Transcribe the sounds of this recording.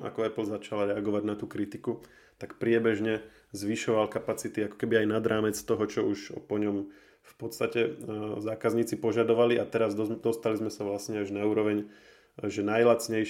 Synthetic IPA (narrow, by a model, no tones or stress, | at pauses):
a̰kɔɛplzat͡ʃalaɾɛaɡɔʋaɟnat̪uːkɾit̪iku | t̪akpɾɪɛbɛʒɲɛ | zʋiʃɔʋalkapat͡sit̪iakɔ̥kɛbiajnad̪ɾaːmɛt͡st̪ɔɦɔt͡ʃɔuʃpɔɲɔm | fpɔt̪st̪acɛzaːkazɲiːt͡sipɔʒad̪ɔʋaliʔat̪ɛɾazd̪ɔst̪alizmɛsaʋlasɲɛaʒnauːɾɔʋɛɲ | ʒɛnajlat͡sɲɛj